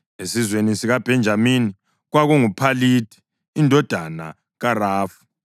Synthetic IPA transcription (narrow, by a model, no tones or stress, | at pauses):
esizwenisiɣab̥ʱɛnd͡ʒʱamini | ɣwaɣuŋupʰalitʰi̥ː | ndʱɔd̥ʱana̰ | ɣaraːfu̥